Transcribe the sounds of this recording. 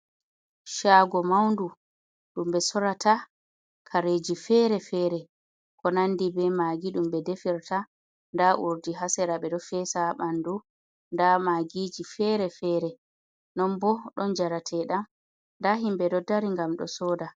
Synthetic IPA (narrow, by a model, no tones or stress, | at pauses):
ʃaːɡɔmawndu | ɗumɓɛsɔɾatʰa | kʰaɾed͡ʒifɛɾɛfɛːɾɛ | kɔnandibɛmaɡiɗumɓɛdefiɾta | ndaʔuɾdiɦasɛɾaɓɛdɔfɛsaɓandu | ndamaɡid͡ʒifɛɾɛfɛːɾɛ | nɔnbɔɗɔnd͡ʒaɾatʰɛɗam | ndaɦimbɛdɔdaɾiŋɡamɗɔ̰sɔːda